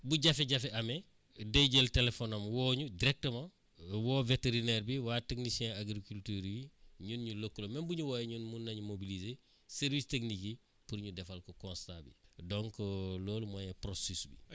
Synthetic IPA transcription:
buɟafɛɟafɛamɛ | deɟeltelefɔnamwɔːɲudiɾɛk̚təmã | wɔːveteɾineɾbiwaːteknisiɛ̃aɡɾikultyːɾwiɲunɲulokːulomɛmbuɲuwajɲunmunːaɲumobilize | seɾvistekniki | puɾɲudɛfalkɔkɔ̃nstabḭdɔŋkɔloːlumɔjɛpɾosisbḭ

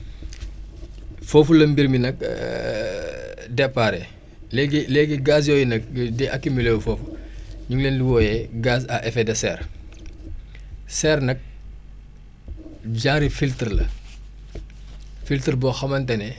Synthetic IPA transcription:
fɔːfulɐmbirminɐk̚ | dɛpːaɾɛ | lɛɡilɛɡiɡaːs̬jɔːjinɐk̚dɛʔɐkːimilɛwfɔːfuɲuŋlɛːndiwɔjɛɡaːsɐʔɛfɛdɐsɛːr | sɛrnɐk̚ | ɟaːŋɾifiltrlɐ̰ | filtərbɔxɐmɐntɐnɛ

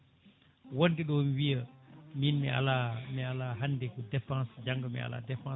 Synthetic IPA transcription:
wɔndiɗɔmiwijəminmḭa̰lamialaɦandɛkɔdɛfãsd͡ʒaŋɡəmḭa̰la̰dɛfã

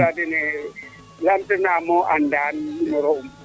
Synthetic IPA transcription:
adɛnɛ | lan̩tʼɛnamɔʔan̩danimɔɾɔʊm̩

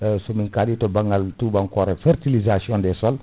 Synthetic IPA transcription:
sɔmiŋkaditɔbaŋɡaltuːbaŋkɔɾɛfɛrtilizasiɔ̃ndɛsɔl

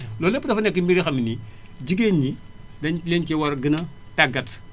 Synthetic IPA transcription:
lɔlepːdɐfɐnɛkːimbiɾixɐmini | d͡ʒiɡeɲidɐnlent͡ʃewɐɾɡinɐtaɡɐt

